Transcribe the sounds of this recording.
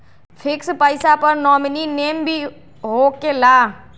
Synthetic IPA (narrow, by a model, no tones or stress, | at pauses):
pʰɪkspəɪsapəɾnɔːmnineːmbʱi | ɦokelaː